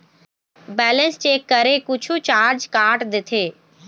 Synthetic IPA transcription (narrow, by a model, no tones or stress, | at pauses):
bɛːlə̃nst͡ʃeːkːəɾeːkʊt͡ʃʰut͡ʃaːɾd͡ʒkaːʈd̪ɪt̪ʰeː